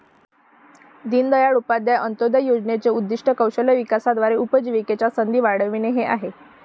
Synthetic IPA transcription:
d̪iːnd̪əjaɭupad̪jaʔənt̪od̪əjod͡zɳet͡seud̪ːiʂʈəkəwɕələjʋikasad̪ʋaɾeupəd͡ʑiʋiket͡ɕasənd̪iːʋaɽəʋiɳeɦeʔaɦe

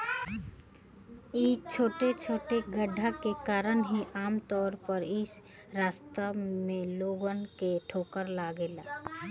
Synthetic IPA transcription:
iːt͡ʃʰoːʈet͡ʃʰoːʈeɡəɖʱːakekaːɾənɦiʔaːmt̪ɔːɾpəɾɪs | ɾaːst̪amẽloːɡənkeʈʰoːkəɾlaːɡeːlaː

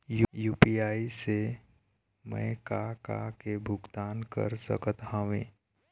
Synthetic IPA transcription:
jujuːpiaːise | mɛ̰̃ːkaka̰kebʱʊɡt̪aːnkə̰ɾsə̰kət̪ɦãʋẽː

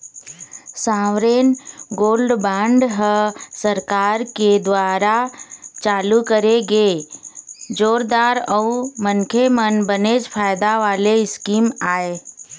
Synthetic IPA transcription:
sãːʋɾeːnɡoːlɖbãːɳɖɦəsəɾkaːɾked̪waːɾat͡ʃaːlukəɾeɡeː | d͡ʒoːɾd̪aːɾəumənkʰemənbəneːd͡ʒpʰaːɪd̪aʋaːleɪskiːmaːe

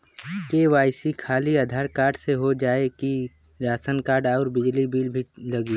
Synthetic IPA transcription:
keʋaːɪsikʰaːliad̪ʱaːɾkaːɾɖseɦod͡ʒaːeki | ɾaːsənkaːɾɖɔːɾbɪd͡ʒlibiːlbʱilɐɡi

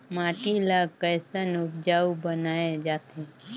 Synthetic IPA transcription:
maʈilakəjsənubd͡ʒaubənaed͡ʒat̪ʰe

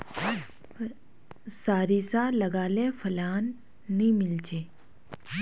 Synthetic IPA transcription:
saːɾisalɐɡaːlefʰɐlaːnː | ĩmɪld͡ʒeː

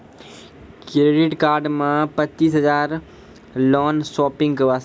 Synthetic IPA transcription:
kɾeɖɪʈkaːɾɖmãpɐt͡ʃiːsɦɐzaːɾ | lɔːnsɔːpɪ̃ŋɡkɐʋaːs

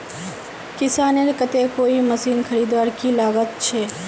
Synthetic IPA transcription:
kɪsaːneɾkət̪ekoːiməsiːnkʰəɾiːd̪ʋaːɾkiːlaːɣət̪̚t͡ʃʰeː

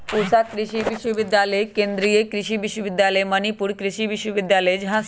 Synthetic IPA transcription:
pusakɾɪʃiʋɪʃwəʋɪd̪jaːləekẽːnd̪ɾiekɾɪʃiʋɪʃwəʋɪd̪jaːləemɐnipʊɾkɾɪʃiːʋɪʃwəʋɪd̪jaːləed͡ʒɪɦã

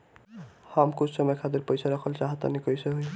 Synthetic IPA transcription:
hamkut͡ʃʰsʌmʌjkʰat̪iɾpʌjsʰaɾʌkʰʌlt͡ʃaɦʌt̪ʌ̰nikʌjsʌɦuj

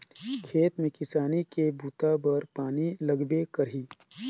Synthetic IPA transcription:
kʰeːt̪mẽkɪsaːnikebʱuːt̪abɐɾpaːnilɐɡbekɐɾɦiː

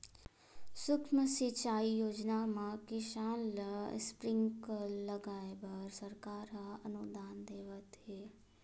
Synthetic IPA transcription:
sʊkməsit͡ʃaːijoːd͡ʒnamãkɪʃaːnl̰spɾɪ̃ŋkləɡaːebəɾsəɾkaːɾɦaənʊd̪aːnd̪eːʋət̪ɦeː

